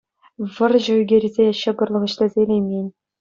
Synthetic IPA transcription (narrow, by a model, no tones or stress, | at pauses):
ʋɤ̆rʑɤ̆yɡʲeɾʲizʲeɕɤ̆ɡɤ̆rlˠɤ̆ʁɤ̆ɕlʲĕzʲelʲejmʲenʲ